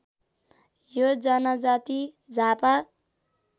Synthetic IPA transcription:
jod͡zʌnʌd͡zat̪i | d͡zʱapa

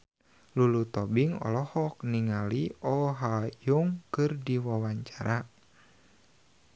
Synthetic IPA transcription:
lulut̪ɔbiŋɔ̰lɔhɔk̚niŋaliɔɦajuŋkɨrdiwawaɲt͡ʃaɾʔa

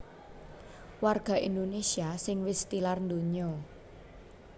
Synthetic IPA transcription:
warɡ̥a̤ʔind̪onesiasɪŋwɪst̪ilarnd̪oɲɔ

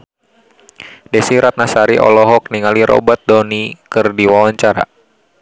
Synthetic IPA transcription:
dɛsiɾat̪̚nasaɾiʔɔ̰lɔɦɔk̚niŋaliɾɔ̰bat̪̚dɔnikɨrdiwawaɲt͡ʃaɾa̰

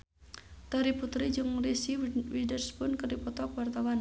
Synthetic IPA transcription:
t̪ɔɾiput̪ɾid͡ʒɨŋrisiwidərspʊnkərdipɔt̪ɔkwart̪awan

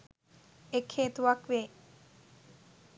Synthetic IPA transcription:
ekʰːeːt̪uʋɐkʋe

